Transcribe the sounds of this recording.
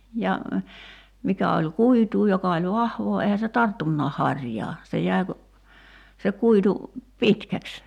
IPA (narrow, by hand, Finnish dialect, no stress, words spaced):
jɑ mikæ olʲ kuituː jokɑ olʲ ʋɑhʋoː eihæ se tɑrtːunːɑːh hɑrʲjɑː se jæi̞ ku se kuitu pitkæks